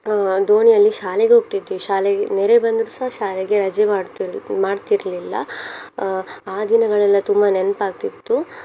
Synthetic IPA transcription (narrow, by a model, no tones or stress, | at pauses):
d̪oːɳijɐlːiʃaːleɡeɦoːɡ̚t̪id̪iʃaːleɡneɾebɐnd̪ɾusɐɦaʃaːleɡeɾɐd͡ʒemaːɽimaːɖt̪iɾɐlilːɐ̰ | aːd̪inɐɡɐɭɛlːɐt̪umbɐnenpaːɡ̚t̪it̪ːu